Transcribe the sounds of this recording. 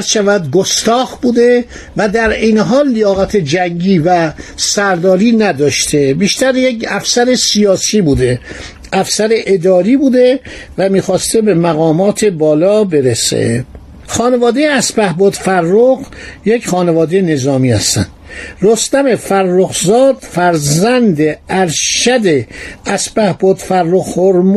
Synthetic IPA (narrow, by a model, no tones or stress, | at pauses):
ʃævæd̪ɡost̪ɒːɣbuːd̪e̞ | væd̪æɾejneɦɒːlːijɒːɣæt̪ʰed͡ʒæŋɡiːvæsæɾd̪ɒːɾiːnæd̪ɒːʃt̪ʰe̞biːʃt̪æɾjecæfsæɾesijɒːsiːbuːd̪e̞ | ʔæfsæɾeʔed̪ɒːɾiːbuːd̪e̞væmiːxɒːst̪ebe̞mæɣɒːmɒːt̪ʰe̞bɒːlɒːbe̞ɾesḛ | xɒːne̞vɒːd̪e̞jeæspæhbɔːd̪færːoɣ | jecχɒːnevɒːd̪ejene̞zɒːmiːhæ̰st̪æ̰nd̪̥rost̪æme̞færːoɣzɒːd̪̥fæɾzænd̪eæɾʃæd̪e̞æsbæhbɔːd̪̥færːoɣhoɾm